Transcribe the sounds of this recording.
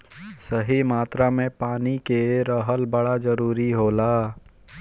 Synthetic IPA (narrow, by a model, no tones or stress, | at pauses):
səɦimaːt̪ɾamẽpaːnikeɾəɦəlbəɽad͡ʒəɾuːɾiɦoːlaː